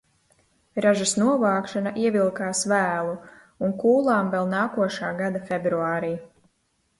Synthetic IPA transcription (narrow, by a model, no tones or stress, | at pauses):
ɾaʒasnuɔvaːkʃanaʔiɛvilˠkaːsvæːlˠu | unkuːlˠaːmvɛlˠnaːkuɔʃaːɡad̪afɛbɾuaːɾiː